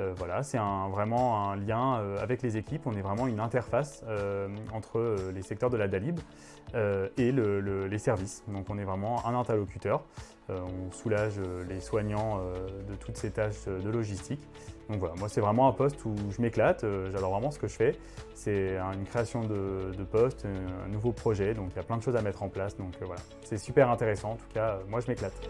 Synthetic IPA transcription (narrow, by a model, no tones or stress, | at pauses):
øvwalasɛt̪ɛ̃vʁɛmɑ̃ɛ̃ljɛ̃øavɛklezekʲipɔ̃nɛvʁɛmɑ̃ynɛ̃t̪ɛʁfasøɑ̃t̪χəølesɛk̚t̪œʁd̪əlad̪alib | øelələlesɛʁvisd̪ɔ̃kɔ̃nɛvʁɛmɑ̃ɛ̃nɛ̃t̪ɛʁlɔkʲyt̪œʁ | øɔ̃sulaʒøleswaɲɑ̃ød̪ət̪ʰut̪set̪aʃød̪əlɔʒist̪ʰik | d̪ɔ̃kvwalamwasɛvʁɛmɑ̃ɛ̃pɔst̪ʰuʒəmeklat̪øʒad̪ɔʁvʁɛmɑ̃sə̥kəʒəfɛ | sɛɛ̃ynkχeasjɔ̃d̪əd̪əpɔst̪ɛ̰̃nuvopχɔʒɛd̪ɔ̃kiljaplɛ̃d̪əʃozamɛt̪χɑ̃plasd̪ɔ̃køvwala | sɛsypɛʁɛ̃t̪eʁesɑ̃ɑ̃t̪u̥kʰaømwaʒəmeklat̪